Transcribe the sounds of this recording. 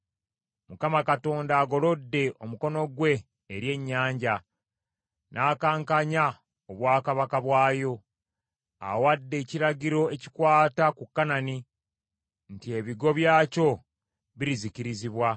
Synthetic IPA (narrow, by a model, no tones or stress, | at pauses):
mukamakato̞ːndaːɡo̞lo̞dːe̞ʔo̞muko̞no̞ɡwe̞ː | ɾje̞ɲːaːɲɟa | nʔaːkaːŋkaɲa | oβwaːkaβakaβwaːjo̞ | a̰wadːe̞ːciɾaɟiɾo̞e̞ci̥kwaːtakukːanani | ntie̞βiɡo̞βjaːco̞ | βiɾiziciɾiziβwa